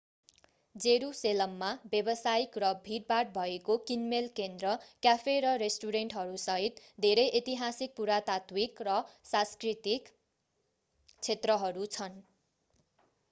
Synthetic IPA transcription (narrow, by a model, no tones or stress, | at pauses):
d͡zeɾuselʌmːabjebʌsaikrʌbʱiɾ̚baʈ̚bʱʌekokinmelkend̪rʌkjapʰeɾʌresʈuɾeɳʈɦʌɾusʌɦit̪ | d̪ʱeɾʌjʔet̪iɦasik̚puɾat̪at̪wikrʌsãskrit̪ik | t͡sʰet̪rʌɦʌɾut͡sʰʌn